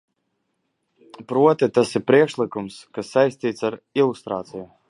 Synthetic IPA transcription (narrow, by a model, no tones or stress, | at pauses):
pɾuɔt̪it̪asiɾpɾiɛkʃlˠikumskasːajsʲt̪iːt̪saɾilˠust̪ɾa̰ːt̪siju